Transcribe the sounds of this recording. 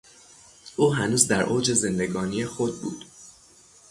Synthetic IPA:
ʔuːɦænuːzd̪æɾʔoːd͡ʒe̞ze̞nd̪e̞ɡɒːnijexod̪̚bṵːd̪̥

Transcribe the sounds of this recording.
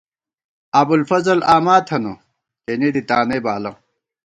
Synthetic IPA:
ɐbulfɐzɐlaːmaːt̪ʰɐnɐ | kenid̪it̪aːnebaːlɐ

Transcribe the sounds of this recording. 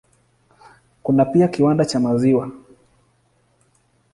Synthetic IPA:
kunapiakiwandat͡ʃamaziwa

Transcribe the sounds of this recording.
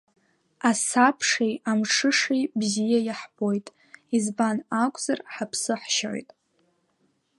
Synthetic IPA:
asapʰʂejamʂʰɨʂejbzijajaħb̥o̞jtʼ | izbanakʷʼz̥arħapʰsɨħʃaʕʷo̰jtʼ

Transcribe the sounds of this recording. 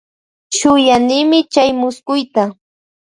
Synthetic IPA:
ʃʊjanɪmɪt͡ʃajmʊskʊjt̪a

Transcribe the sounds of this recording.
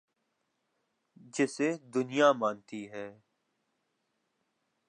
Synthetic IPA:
d͡ʒɪsed̪ʊnijamãːnt̪iɦɛː

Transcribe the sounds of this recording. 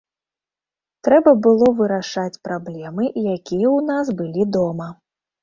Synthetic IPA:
t̪ɾɛbɐbɨlˠɔvɨɾaʂat͡sʲpɾablʲɛmɨʔjakʲijɛwnasbɨlʲid̪ɔmɐ

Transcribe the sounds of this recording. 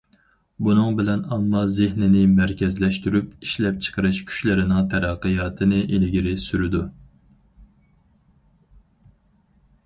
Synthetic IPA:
bunɨŋbɪlɛnɑmːɑzɪhnɪnɪmæɾkʲʰɛzlɛʃt̪yɾypiʃlɛp̚t͡ʃʰə̥qʰəɾɨʃkʲʰy̥ʃlɪɾɪnɪŋt̪ʰɛɾɛqːɨjɑːt̪ʰɨnɪʔelɡʲiɾɪsyɾɪd̪u

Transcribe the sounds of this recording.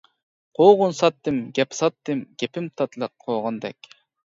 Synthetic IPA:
qʰoːʁʊnsɑt̪ːɨmɡʲɛpsɑt̪ːɨmɡʲɛpɪmt̪ʰɑt̪ʰlˠəqʰːoʁɑnd̪ɛ̰kʲ

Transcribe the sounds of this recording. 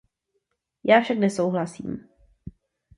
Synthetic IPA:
jaːfʃaknɛsowɦlasḭːm

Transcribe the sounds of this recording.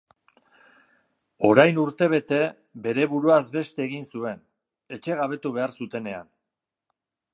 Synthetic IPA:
o̞ɾajnuɾt̪e̞β̞e̞t̪e̞ | be̞ɾe̞βuɾuazbe̞st̪e̞ːɣinsue̞n | e̞t͡ʃe̞ɣaβ̞e̞t̪uβ̞e̞aɾsut̪e̞ne̞a̰n

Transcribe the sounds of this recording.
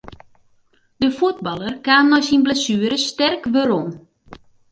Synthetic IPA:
d̥əfut̚bɑlˠərkaːmnɔjsinblasyːəɾəstɛrkʋøɾom

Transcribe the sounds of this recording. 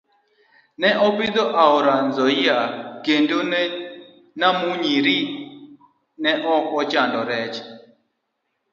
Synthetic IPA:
nɛʔɔpɪd̪ɔʔaɔɾanzɔiakendon | namuɲiɾi | nɛʔɔkɔt͡ʃandɔɾɛt͡ʃ

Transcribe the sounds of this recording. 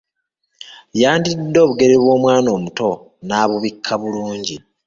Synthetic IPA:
jaːndidːo̞ːβuɡe̞ɾeβwo̞ːmwaːno̞ːmuto̞ | naːβuβikʰːaβuluːɲɟi

